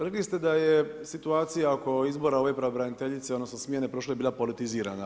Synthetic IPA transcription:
ɾeklist̪e̞d̪ajesit̪uaːt̪sijaoko̞izboɾao̞ʋe̞pɾeobɾanit̪eʎit̪seod̪nosnosmʲjene̞pɾo̞ʃ̬lo̞biːlapo̞lit̪iziːɾa̰na

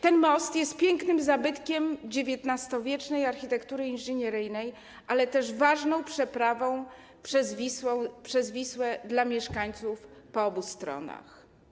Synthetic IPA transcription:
t̪ɛnmɔst̪jɛst̪̚pʲjɛŋknɘmzabɘt̪kʲɛmd͡ʑevʲjɛt̪nast̪ɔvʲjɛt͡ʂnɛjaɾxçʲit̪ɛkt̪uɾɘinʐɘɲɛɾɘjnɛj | ʔalɛt̪ɛʐvaʐnɔ̃w̃pʂɛpɾavɔ̃w̃ | pʂɛzvʲiswɛpʂɛzvʲiswɛd̪lamʲjɛʂkaɲt̪sufpɔɔbust̪ɾɔ̰na̰x

